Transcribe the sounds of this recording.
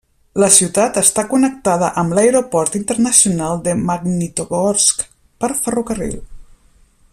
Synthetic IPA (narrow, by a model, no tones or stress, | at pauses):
ləsiwt̪at̪əst̪akunək̚t̪að̞əʔəmləjɾopɔɾt̪int̪ərnəsiunalˠd̪əmaɡnit̪oɣɔɾsk | pəɾfərukərḭlˠ